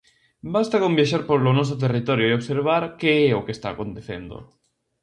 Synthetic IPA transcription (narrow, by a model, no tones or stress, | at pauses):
bast̪akombjaʃaɾpoɾlonos̬ot̪̬erit̪oɾjoeoβseɾβ̞aɾkeeokest̪aːkõnt̪eθend̪o̰